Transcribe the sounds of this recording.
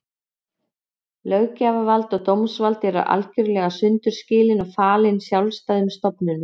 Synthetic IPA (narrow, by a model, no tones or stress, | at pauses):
lœɥcaːvavalt̪ɔɣt̪owmsvalt̪ɛɾa̰ʔa̰lcʏɾlɛɣasʏnt̪ʏɾ̥scɪːlɪnɔɣfaːlɪnsjawlst̪ajðʏmst̪ɔpnʏn